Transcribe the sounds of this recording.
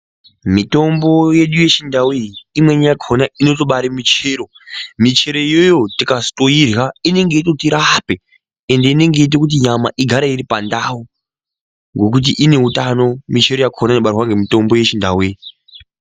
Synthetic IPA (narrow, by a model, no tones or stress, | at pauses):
mito̞mbo̞je̞ɗuje̞t͡ʃindaweiimwe̞ɲajakʰaonaino̞to̞ɓaɾimit͡ʃeːɾo̞ | mit͡ʃe̞ɾe̞jojo̞tikastoirɣaine̞ŋɡe̞itekutiɾape | ende̞ine̞ŋɡe̞it̬ekut̬iɲama̰ʔiɡʱaɾaiɾipandau | ŋɡo̞k̬ut̬iʔine̞utano̞mit͡ʃe̞ɾojakaonainoɓaɾwaŋɡe̞mito̞mbo̞je̞t͡ʃinda̰wei